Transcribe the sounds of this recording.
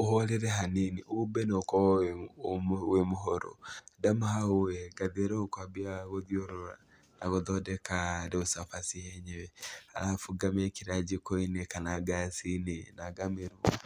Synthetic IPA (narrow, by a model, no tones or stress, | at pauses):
ohɔɾeɾɛɦaniniʔoβubɛneokɔwae | wemoɦɔɾo̰damaɦaoɛɡaðeɾɛokwabiaɣoðjoɾoɾa̰ | naɣoðɔdɛkadeosafasihɛɲewɛa̰ɾafuɡamekiɾad͡ʒikoinekanaɡasinenaɡameɾu